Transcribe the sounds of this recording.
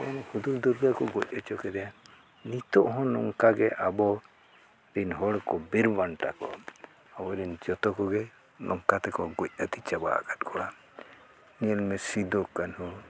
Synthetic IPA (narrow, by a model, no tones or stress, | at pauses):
ɔɔnhud̪uld̪uɾɡakɔɡɔc̚ˀɔt͡ʃɔkɛd̪ɛja | nit̪ɔʔɦɔ̃nɔŋkaɡɛʔabɔ | ɾinɦɔɽkɔbiɾbaɳʈakɔ̰ | abɔɾind͡ʒɔt̪ɔkɔɡɛ | nʔɔŋkat̪ɛkɔɡɔc̚at̪it͡ʃaba̰ʔa̰ɡat̪̚kʰɔɽa | niəlmɛsid̪ɔkːanhɔ̃